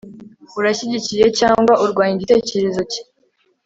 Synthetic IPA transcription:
uɾaɕiɟicije̞caːŋɡwaʔuɾɡwaːɲiɟite̞ːce̞ɾe̞zo̞ci̥

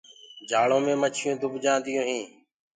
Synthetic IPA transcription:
d͡ʒʱaːɭõːmẽːmət͡ʃʰɪjõːd̪ʱʊbd͡ʒãːnd̪ɪjõːɦĩː

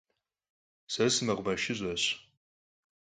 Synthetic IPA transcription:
sɐsɨmɐʁʷbɐʃɪʑʷɐɕ

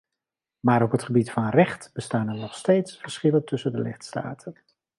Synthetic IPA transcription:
maːɾɔpɦətχəbitfɑnrɛχtb̥əstaːnənɔχsteːjtsfəɹsχɪləntɵsəndəlɪχtsta̰ːtʰən

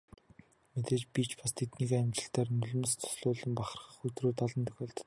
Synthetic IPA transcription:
met̪eːt͡ɕpit͡ɕpast̪ʰet̪niːkːæmt͡ɕɪ̆ɬt̪æːrnɵɮɵ̆mɘ̆st͡sʰʊ̥sɮʊːɮə̆mpaχə̆rəχə̆χɵt̪roːt̪aɮɞ̆nt̪ʰɵ̥xʲeːɮt̪̆

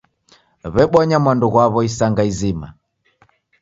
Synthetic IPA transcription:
βɛɓɔɲamwanduɣwaβɔisaŋɡaizima̰

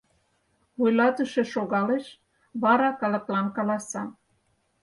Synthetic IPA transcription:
βojlɑt̪əʃĕʃoɣɑleʃ | βɑɾɑkɑlə̆klɑnkɑlɑsɑ

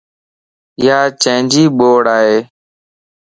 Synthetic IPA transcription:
jaːt͡ʃẽːnd͡ʒiːɓoːɽaːɦeː

